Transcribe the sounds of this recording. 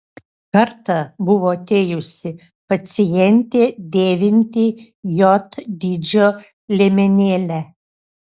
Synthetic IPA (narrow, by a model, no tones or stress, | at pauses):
kɐɾt̪ɐbʊʋoːɐt̪ʲeːjʊsʲɪ | pɐt̪sʲɪjɛnʲt̪ʲeːd̪ʲeːʋʲɪnʲt̪ʲiː | jɔt̪d̪ʲiːd͡ʒʲoː | lʲemʲɛnʲeːlʲæ